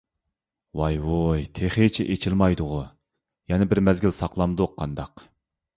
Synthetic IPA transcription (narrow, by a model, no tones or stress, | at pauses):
wɑjwojt̪ʰeχet͡ʃʰiʔet͡ʃʰilmɑjd̪ʊʁʊ | jɛnɪbɪɾmɛzɡʲilsɑqlˠɑmd̪ʊqʰːɑnd̪ɑq